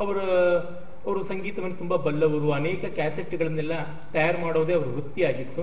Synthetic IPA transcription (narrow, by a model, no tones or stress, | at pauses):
ɐʋɐɾɐ | ɐʋɐɾusɐŋɡiːt̪ɐʋɐnːut̪umbɐbɐlːɐʋɐɾuɐneːkɐkaːseʈːɡɐɭɐnːɛlːɐ | t̪ɐjaːɾmaːɽoːd̪eɐʋɐɾuɾut̪ːiaːɡit̪ːu